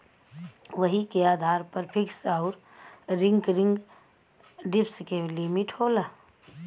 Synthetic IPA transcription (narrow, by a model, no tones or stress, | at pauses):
ʋəɦikeaːd̪ʱaːɾpəɾpʰɪksaʊɾ | ɾɪ̃ŋɡɾɪ̃ŋɡ | ɖɪpskelimɪʈhoːlaː